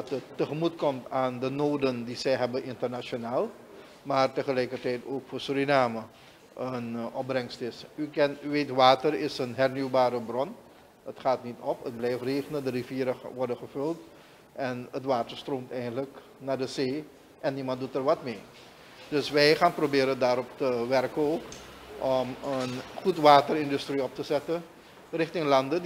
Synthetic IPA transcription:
dɑtətːəχəmutkɔmtaːndənoːdəndizɛjɦɛbənʔɪntərnat͡ʃonaːlˠ | maːrtəχəlɛjkərtɛjtoːkfoːɹsuɾinaːmə | ʔənɔp̚brɛŋstɪsykɛnʋeːtʋaːtərɪsənɦɛrnywbaːɾəbrɔn | ətχaːtnitɔpət̚blɛjfreːχənədəriviːɾəʋɔrdənχəvɵlt | ʔɛnətʋaːtəɹstroːmtɛjəndələk | naːɹdəzeː | ʔɛnːimɑntdutəɹʋɑtmeː | dɵsʋɛjχaːnprobɪːɾəndaːɾɔptəʋɛrkəok | ʔɔmənχutʋaːtərɪndystriɔp̚təzɛtə | rɪχtɪŋlɑndə

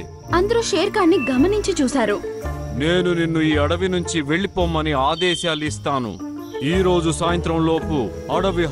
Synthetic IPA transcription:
ɐnd̪ɐɾuʃeːɾkaːnːiɡɐmɐniɲt͡ʃit͡ʃuːsaːɾune̞ːnuninːuiːɐɽɐʋinuɲt͡ʃiʋe̞ɭipoːmɐniaːd̪ɛːʃaːlist̪aːnṵ | iːɾo̞ːd͡ʒusaːjɐnt̪ɾɐmlo̞ːpu | ɐɽɐʋi

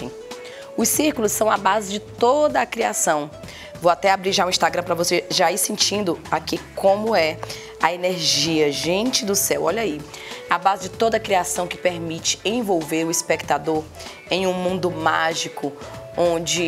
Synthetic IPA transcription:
ʊsːiɾkʊlʊssɐ̃w̃abazɪd͡ʒɪt̪od̪ɐːkɾiasɐ̃w̃ | vowat̪ɛabɾiʒaũĩst̪aɡɾɐ̃pɾɐvoseʒaisẽnt͡ʃĩnd̪ʊakikõmʊɛ | ɐeneɾʒiɐʒẽnt͡ʃɪd̪ʊsɛwɔʎɐi | abazɪd͡ʒɪt̪od̪ɐːkɾiasɐ̃w̃kɪpeɾmit͡ʃɪ̥ẽvowveɾʊispekt̪ad̪oɾ | ẽj̃ũmũnd̪ʊmaʒikʊõd͡ʒɪ

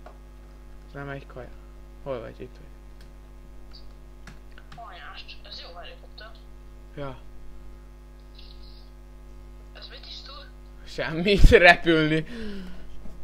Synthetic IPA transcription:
nɛmɛɟkʰɒj | ho̞lvɒ̰ɟit̪hoɟ | ɔjaʃt̪ɛzjoːvalet̪ət̪ːø | jɒː | ɛzmit̪iʃt̪ul | ʃɛmːit̪rɛpylni

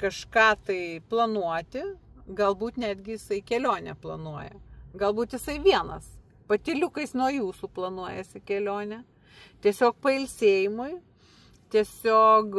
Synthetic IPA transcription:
kɐʃkɑːt̪ɐɪplˠɐnuɔt̪ʲɪ | ɡɐlˠbuːt̪nʲæːd̪ʲɡʲɪjɪsɐɪkʲɛlʲoːnʲɛplˠɐnuɔjɛ̰ɡɐlˠbuːt̪jɪsɐɪʋʲiɛnɐs | pɐt̪ʲɪlʲʊkɐɪsnuɔjuːsuːplˠɐnuɔjɛsʲɪkʲɛlʲoːnʲɛ | t̪ʲiɛsʲoːk̚pɐɪlʲsʲeːjɪmʊɪ | t̪ʲiɛsʲoːk

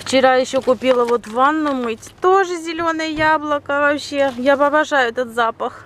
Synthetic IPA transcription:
ft͡ɕɪɾajɪɕːokʊpʲilˠəvo̞t̪vanːʊjʊmɨtʲt̪o̞ʐɨzʲɪlʲo̞nəjəjablˠəkəvɐpɕːejapɐbɐʐajʊɛt̪ət̪zapəx

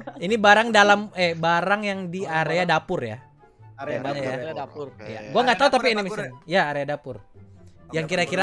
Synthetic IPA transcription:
inibaɾaŋdalamɛbaɾaŋjaŋdiaɾeadapʊrja̰ | amaɲaja | jaɡuaŋɡat̪aut̪apinimisɪnjaːɾeadapʊr | jaŋkiɾakiɾa

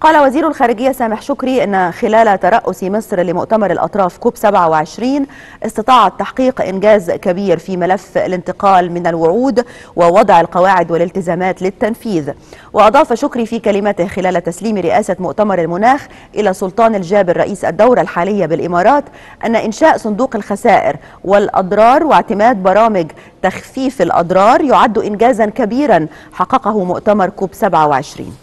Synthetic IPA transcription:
qɑːlawaziːɾʊlxæːɾɪɡɪjːasæːmɪħʃʊkɾiːʔɪnːxɪlæːlt̪ɑɾˤɑʔːʊsimɨsˤɾlɪmʊ̰ʔt̪amɑɾˤɪlʔɑ̰t̪ˤɾˤɑːfkuːbsabʕawɪʕɪʃɾiːn | ʔɪsˤt̪ɑt̪ˤɑːʕɑt̪ːaħqiːqʔɪ̰nɡæːzkæbiːɾfiːmɪlæfːa̰lɪnt̪ɪqɑːlmɪnalwʊʕuːd̪wɪwɑd̪ˤʕɪlqɑwaːʕɪd̪wɪlɪlt̪ɪzæːmæːt̪lɪt̪ːænfiːðwʔɪʔɑd̪ˤɑːfʃʊkɾiːfiːkælɪmæt̪ɪhxɪlæːlt̪æsliːmɾɪʔæːsamʊʔt̪amɑɾˤalmʊnaːx | ʔɪlæːsˤʊlt̪ˤɑːnald͡ʒæːbɪɾˤːɑʔiːsʔa̰d̪ːawɾalħaːlɪjːabɪlʔɪmɑːɾˤɑːt̪ | ʔanːaʔɪnʃaːʔsˤʊnd̪uːqalxæsæːʔɪ̰ɾ | wɪlʔɑ̰d̪ˤɾˤɑːɾˤwɪʕt̪ɪmæːd̪̚bɑɾˤɑːmɪɡ | t̪æxfiːfɪlʔɑ̰d̪ˤɾˤɑːɾˤjʊʕad̪ːʊʔɪnɡæːzankabiːɾan | ħɑqːɑqɑɦʊmʊʔt̪amɑɾˤkuːbsabʕawɪʕɪʃɾḭːn

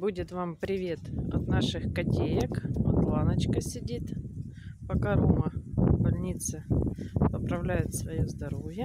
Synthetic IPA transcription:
budʲɪt̪vampɾʲɪvʲe̞t̪ɐ̰t̪naʂɨxkɐtʲejəkot̪lˠanət͡ɕkəsʲɪdʲit̪ | pɐkaɾumɐvbɐlʲnʲit̪sɨpəpɾɐvlʲæjʊt̪svɐjozd̪ɐɾovʲjə

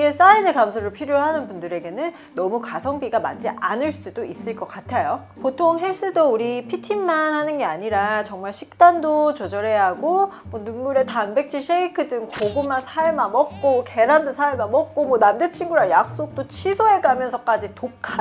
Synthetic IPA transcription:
es͈ainekamsʰoɾɯɭpʰiɾjoɦanɯnbundɯɾe̞ɡe̞nɯnːʌmukasʰʌŋbiɡama̰t͡ɕ͈iʔanɯɭs͈udois͈ɯɭk͈ʌk͈atʰajo | potʰoŋɦeɭs͈udouɾipʰitʰimːanhanɯnɡe̞aɲiɾat͡ɕʌŋmaɭɕʰik̚t͈andot͡ɕʌd͡ʑʌɾe̞ɦaɡomwʌnunmuɾe̞tanbe̞k̚t͡ɕ͈ʰiɕʰeikʰɯdɯŋkoɡomansʰaɭmamʌk̚k͈oke̞ɾandosʰaɭmamʌk̚k͈omwʌnamdet͡ɕʰiŋɡuɾajak̚s͈ok̚t͈ot͡ɕʰisʰoe̞ɡamjʌnsʰʌk͈ad͡ʑitokʰa

